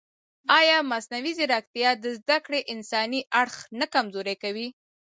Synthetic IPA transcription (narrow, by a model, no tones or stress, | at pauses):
ɑjɑmasnawizeɾɑk̚t̪ijɑd̪əzd̪akɽeʔɪnsɑniʔaɽxnakamzoɾajkawi